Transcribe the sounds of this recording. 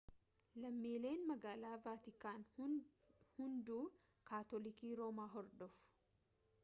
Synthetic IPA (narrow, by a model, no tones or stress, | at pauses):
lɐmːiːle̞ːnmɐɡaːlaːvaːt̪ɪkaːn | hʊnd̪uː | kaːt̪ɔlɪkiːɾo̞ːmaːɦɔɾd̪ɔfʊ̥ʊ̥